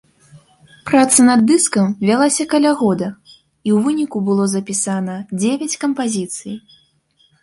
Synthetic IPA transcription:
pɾat̪sɐnɐd̪ːɨskɐmvʲalˠasʲɐkɐlʲaɣɔd̪ɐ | iwvɨnʲikubɨlˠɔzɐpʲisanɐd͡zʲevʲɐt͡sʲkɐmpazʲit̪sɨj

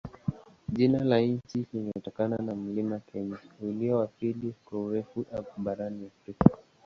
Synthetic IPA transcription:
ʄinalaɲ̩t͡ʃiliŋɡɛɛtɔkananam̩limakʰɛɲauliɔwapilikwauɾɛfuʔaɓaɾaniafɾika

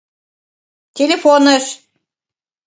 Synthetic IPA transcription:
t̪ʲʰelʲefonəʃ

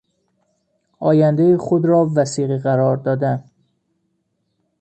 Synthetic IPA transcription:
ɒːjænd̪ejixod̪ɾɒːvæsiːɣiɣæɾɒːɾd̪ɒːd̪æn

